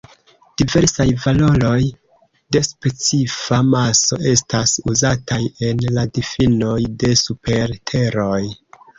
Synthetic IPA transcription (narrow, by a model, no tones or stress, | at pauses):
d̥ive̞ɾsajvalo̞ɾo̞j | de̞spe̞t͡sifamaso̞̰ʔe̞stasuzatʰaje̞nladifino̞jde̞supe̞ɾtʰe̞ɾo̞j